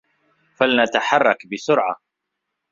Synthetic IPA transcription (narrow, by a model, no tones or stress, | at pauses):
falnat̪aħɑrˤːɑkbɪsʊɾʕa̰